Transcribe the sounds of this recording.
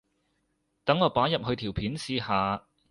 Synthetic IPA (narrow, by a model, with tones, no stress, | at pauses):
t̪ɐ˨˥ŋɔː˨˧paː˨˥jɐ˨p̚hɵ˧ɥt̪ʰiː˨˩wpʰiː˨˥nsiː˧haː˨˧